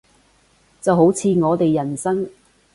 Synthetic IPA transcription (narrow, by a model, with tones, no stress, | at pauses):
t͡sɐ˨wɦo˨˥wt͡sʰiː˨˧ŋɔː˨˧t̪e˨jːɐ˨˩nsɐ˥ŋ